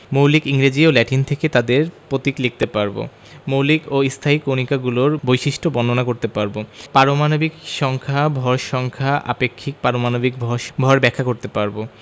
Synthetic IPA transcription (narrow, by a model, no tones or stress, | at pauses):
mowlikiŋɾid͡ʑiolɛʈint̪ʰeket̪ad̪eɾpɾot̪iklik̚t̪epaɾbo̰ | mowlikoist̪ʰaikonikaɡuloɾbojʃiʃʈʰobɔnonakoɾt̪epaɾbopaɾomanobikʃɔŋkʰabʱɔɾʃɔŋkʰaʔa̰pekʰːik̚paɾomanobikbʱɔʃbʱɔɾbɛkʰːakoɾt̪epaɾbo